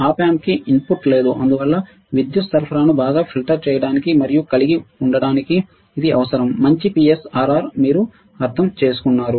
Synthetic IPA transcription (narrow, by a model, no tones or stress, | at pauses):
aːpaːmkiʔimpuʈːle̞ːd̪uʔɐnd̪uʋɐlːɐ | ʋid̪jusɐɾpʰɐɾaːnubaːɡaːpʰilʈɐɾt͡ʃɛːjɐɽaːnikimɐɾijukɐliɡiuɳɖɐɽaːnikiː | d̪iʔɐʋɐsɐɾɐmːɐɲt͡ʃipiːesaːɾaːɾmiːɾu | ɐɾt̪ʰɐmt͡ʃe̞ːsu̥kunːaːɾu